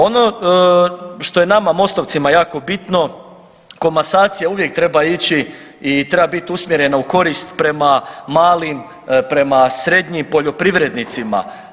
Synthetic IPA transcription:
o̞no | ʃt̪o̞je̞namamo̞st̪o̞ʋt̪simajaːko̞bit̪no̞ | ko̞mbasaːt̪sijauʋje̞k̚t̪ɾe̞bait͡ɕi | it̪ɾe̞babit̪usmjeɾe̞nauko̞ɾist̪pɾe̞mamaːlim | pɾe̞masɾe̞d̪ɲimpo̞ʎo̞pɾiʋɾe̞d̪nit̪sima̰

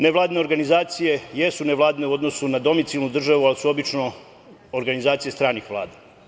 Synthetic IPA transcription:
neʋlˠaːd̪ine̞o̞ɾɡanizaːt̪sije̞jesuneʋlˠaːd̪ine̞uo̞d̪no̞sunad̪o̞mit̪ilˠnud̪r̩ʒaʋualisuo̞bit͡ʃno | oɾɡanizaːt̪sije̞st̪ɾaːnixʋlˠa̰ːd̪a

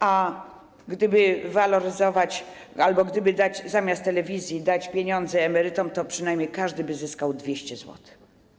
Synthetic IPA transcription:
ʔa | ɡd̪ɘbɘvalɔɾɘzɔvat͡ɕ | albɔɡd̪ɘbɘd̪ad͡ʑzamʲjast̪ːɛlɛvʲizʲjid̪at͡ɕpʲjeɲɔnd̪zɛːmɛɾɘt̪ɔmt̪ɔpʂɘnajmʲjejkaʐd̪ɘbɘzɘskawd̪vʲjeɕt͡ɕɛzwɔ̰t̪

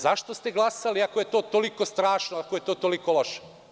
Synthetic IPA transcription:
zaʃt̪ost̪eɡlˠasaliakojet̪oːt̪oliko̞st̪ɾaːʃnoakojet̪oːt̪olikoloʃe̥

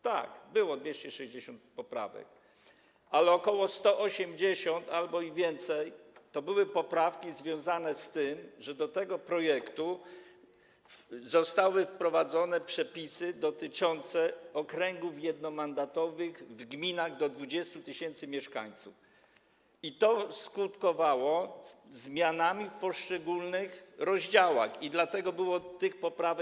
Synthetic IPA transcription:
t̪a̰kbɘwɔd̪vʲjeɕt͡ɕɛʂɛʑd͡ʑeɕɔnt̪̚pɔpɾa̰vɛ̰k̚ | alɛɔkɔwɔst̪ɔʔɔɕɛmd͡ʑeɕɔnt̪albɔivʲjɛnt̪sɛjt̪ɔbɘwɘpɔpɾafkʲizvʲjɔ̃w̃zanɛst̪ɘmʐɛd̪ɔt̪ɛɡɔpɾɔjɛkt̪u | zɔst̪awɘfpɾɔvad̪zɔnɛpʂɛpʲisɘd̪ɔt̪ɘt͡ʂɔnt̪sɛɔkɾɛŋɡufjɛd̪nɔmand̪at̪ɔvɘɣvɡmʲinaɣd̪ɔd̪vud͡ʑɛst̪ut̪ɘɕɛnt̪sɘmʲjɛʂka̰ɲt̪suf | it̪ɔskut̪kɔvawɔzmʲjanamʲifpɔʂt͡ʂɛɡulnɘxɾɔʑd͡ʑawa̰xid̪lat̪ɛɡɔbɘwɔt̪ɘxpɔpɾavɛ

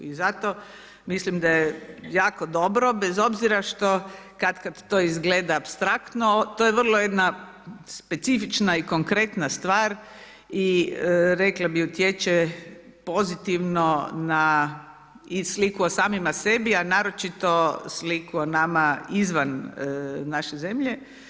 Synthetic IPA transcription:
izat̪o | mislimd̪ajejaːkod̪o̞bɾo̞bezo̞bziɾaʃt̪okad̪kad̪t̪oːizɡleːd̪aːpst̪ɾakt̪not̪ojeʋər̩lˠoje̞d̪na | spe̞t̪sifit͡ʃnaiko̞ŋkɾe̞t̪nast̪ʋaːɾ | iəɾeklabiut̪jet͡ʃe | po̞zit̪iʋnona | islikuosaːmimasebianaːɾo̞t͡ʃit̪o̞slikuonamaizʋan | naʃezemʎe

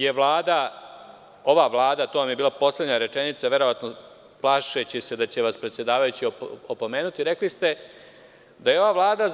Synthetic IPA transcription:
jeʋlaːd̪a | o̞ʋaʋlˠaːd̪at̪oʋamjebiːlapo̞slʲˠe̞d̪ɲaɾe̞t͡ʂenit̪saʋe̞ɾo̞ʋat̪no | plˠaːʃet͡ɕise̞d̪at͡ɕe̞ʋaspɾet̪sjed̪aːʋajut͡ɕiopo̞me̞ːnut̪iɾe̞klist̪e̞ | d̪aje̞o̞ʋaʋlˠaːd̪a

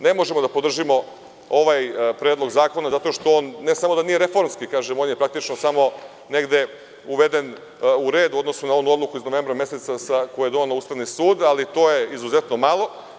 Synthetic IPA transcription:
ne̞mo̞ʒe̞mod̪apod̪r̩ʒimo̞ | oʋajpɾeːd̪lˠo̞ɡzaːko̞nazat̪o̞ʃt̪o̞oːnːe̞samo̞d̪anije̞ɾe̞fo̞ɾmskikaːʒemo̞ːnjepɾak̚t̪it͡ʃnosamo̞ | ne̞ɡd̪e̞ | uʋe̞d̪e̞n | uɾe̞ːd̪uo̞d̪nosunao̞nuo̞d̪lˠukuiznoʋe̞ːmbɾame̞set̪sasakojujed̪onelouːst̪aʋnisuːd̪alit̪o̞ːje̞izuze̞t̪no̞malˠo̞

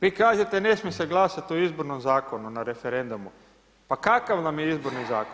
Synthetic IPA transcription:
ʋiːkaːʒet̪e̞nesmjeseɡlˠaːsat̪oizboɾnomzaːko̞nunaɾe̞feɾe̞nd̪umu | pakakaʋnamjeizbo̞ɾnizaːko

